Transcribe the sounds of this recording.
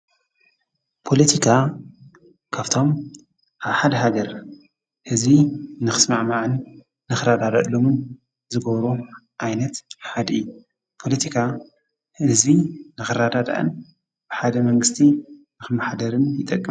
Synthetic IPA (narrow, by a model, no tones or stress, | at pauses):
pʰo̞lɐt̪ʰikʰa | kʰaβt̪ʰo̞m | ʔaβħad̪ɐɦaɡɐɾ | hɨzinɨxɨ̥smaʕmaʕɨnː | ɨxɨɾad̪ad̪aʔlːomɨn | zɨɡɐβɾoʔajnɐt̪ħad̪ɨjːu | pʰo̞lɐt̪ʰikʰa | hɨzinɨxɨɾad̪ad̪a̰ʔɐ̰n | b̥ɨħad̪ɐmɐŋɡɨst̪ʰinɨxɨmaħad̪ɐɾɨnjɪt̪ʼːɐkʼːɨm